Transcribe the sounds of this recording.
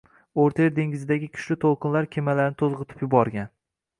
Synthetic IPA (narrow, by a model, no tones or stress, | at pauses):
oɾt̪ʰeɾd̪e̞ŋɡʲɪzɪd̪aɡʲɪkʲʰʊ̥ʃlɪt̪ʰolˠqʰɨnlaɾkʲʰemalaɾnɪt̪ʰozʁɨt̪ʰɪ̥pjʊbɒɾɡʲan